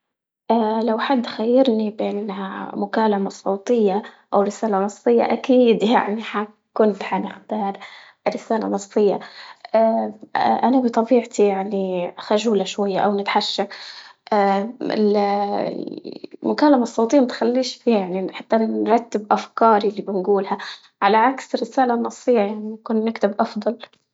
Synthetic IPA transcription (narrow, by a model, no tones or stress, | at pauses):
ʔalawħad̪ːxajːɪɾnibeːnnha̰mʊkaːlamasˤɑwt̪ˤɨjːaʔawɾɪsaːlanɑsˤːɨjːa̰ʔakiːd̪ja̰ʕniħa | kʊnt̪ħanɪxt̪ɑːɾˤ | ɾɪsaːla̰nɨsˤːɨjːaʔa | ʔanabɨt̪ˤɑbiːʕt̪ʰijaʕnixaʒuːlaʃwajːaʔawnɪt̪ħaʃːaʔaɪ̰l̰ | mʊkaːlːamasˤːɑwt̪ijːamat̪xalːiːʃfiːhajaʕniħat̪ːanɾˤɑt̪ːɪbʔafkɑːɾilːibɪnɡuːlha | ʕalaʕaksrɪsaːlanːɑsˤːɨjːajaʕnikʊnːɪkt̪ɪbʔɑfd̪ˤɑl